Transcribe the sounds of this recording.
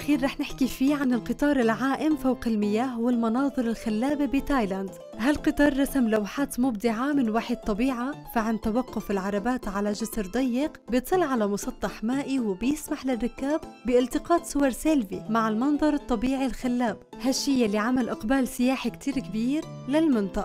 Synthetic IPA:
ʔaxiːɾːˤɑːħnɪħkifiːʕanɪlqɨt̪ˤɑːɾˤɪlʕaːʔɪmfawqɪlmɪjaːhwɪlmɑnɑːðˤɨɾɪlxalːaːbibɪt̪aːjland̪ | ɦalqɨt̪ˤɑːɾˤːɑsamlawħaːt̪mʊb̚d̪ɪʕamɪnwaːħɪd̪̚t̪ˤːɑbiːʕafaʕant̪awaqːʊfɪlʕɑɾˤɑbaːt̪ʕalaʒʊsɾd̪ˤɑjːɪqbjt̪ˤɨlːʕalamʊsˤɑt̪ˤːɑħmaːʔiwɪbjɪsmaħlɪrːɪkːaːbbɪʔɪlt̪ɪqɑːt̪sʊwɑɾˤselfimaʕɪlmɑnðˤɑɾˤɨt̪ˤːɑbiːʕilxalːaːb | haʃːiːjalːiʕamalʔɪqbaːlsɪjaːħikt̪ʰiːɾkɪbiːɾ | lɪlmɪnt̪ˤɑʔɑ

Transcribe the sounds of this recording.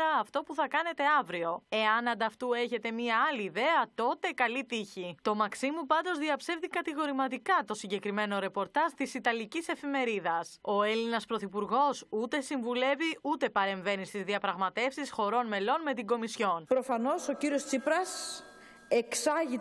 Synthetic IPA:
ɐːft̪o̞puθɐkɐne̞t̪e̞ɐvɾio̞e̞ɐnɐnd̪ɐft̪ue̞çe̞t̪e̞miɐɐliːðe̞ɐt̪o̞t̪e̞kɐlit̪içit̪o̞mɐksimupɐnd̪o̞zðiɐpse̞vðikɐt̪iɣo̞ɾimɐt̪ikɐt̪o̞siɲɟe̞kɾime̞no̞ɾe̞po̞ɾt̪ɐzt̪isit̪ɐlicise̞fime̞ɾiðɐso̞e̞linɐspɾo̞θipuɾɣo̞sut̪e̞siɱvule̞viut̪e̞pɐɾe̞ɱve̞nist̪izðiɐpɾɐɣmɐt̪e̞fsisxo̞ɾo̞nme̞lo̞nme̞t̪iɡo̞misço̞npɾo̞fɐno̞so̞ciɾio̞st͡sipɾɐs | eksɐʝi

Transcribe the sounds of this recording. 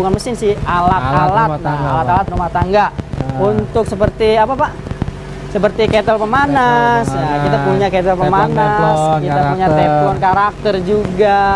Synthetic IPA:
ukanməsɪnsɪhalat̪alat̚naalat̪alat̪rumaht̪aŋɡaunt̪ʊksəpərt̪iapapa | səpərt̪iket̪əlpəmanasjakit̪akpuɲaket̪əlpəmanaskit̪apuɲat̪ɛfɔnkaɾak̚t̪ərd͡ʒuɡa

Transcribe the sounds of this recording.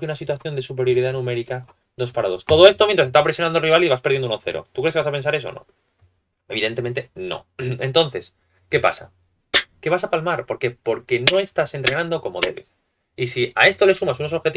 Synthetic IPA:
keunasit̪waθjo̞nd̪e̞supe̞ɾjo̞ɾiðanũme̞ɾika | d̪o̞spaɾað̞o̞st̪o̞ð̞o̞e̞st̪omjnt̪ɾas̬est̪apɾesjo̞nand̪oriβ̞aliβaspeɾðend̪unoθe̞̰ɾo̰t̪ukɾekeasape̞ns̬aɾe̞so̞̰no̰ | e̞βiðe̞nt̪e̞ment̪e̞no̰e̞nt̪o̞nθe̞s | ke̞pa̰sa̰ | ke̞βasapalmaɾpo̞ɾke̞po̞ɾke̞no̞e̞st̪ase̞nt̪ɾe̞nãnd̪oko̞mo̞ðe̞̰βe̞s | isia̰e̞st̪o̞le̞sumasuno̞so̞βxe̞t̪

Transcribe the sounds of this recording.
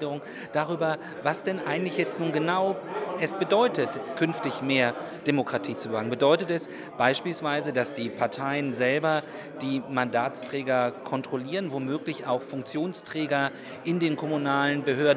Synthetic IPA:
dəʁʊŋ | d̥aʁ̞yːbɐ | vasd̥ɛnʔa̰ɪɡŋ̩tlɪçjɛt͡stnuːnɡənaʊʔɛsb̥ədɔʏtətkʰʏnftɪçmeːɐ | d̥emokʁ̥atʰiːt͡subəvaŋənbədɔʏtətɛs | b̥aɪʃpiːlsv̥aɪzədasd̥iːpʰaɐtʰaɪənzɛlbɐ | d̥iːmandaːtt͡stʁ̥ɛːɡɐkʰɔntʁ̥oliːʁənvomøːklɪçaʊxfʊŋk̚t͡sjoːnstʁ̥ɛːɡɐ | ʔɪndeːnkʰɔmunaːlənbəɦøːɐdn̩

